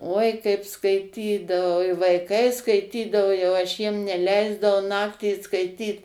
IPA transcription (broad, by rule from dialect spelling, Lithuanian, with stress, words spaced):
uɔɪ kɐɪp skɐɪˈtʲiːdɐʋɐʊ ɪ ʋɐɪˈkɐɪ skɐɪˈtʲiːdɐʋoː jɛʊ ɐʃ ˈjiɛm nʲɛˈlʲɛɪzdɐʋɐʊ ˈnɑːktʲiː skɐɪˈtʲiːt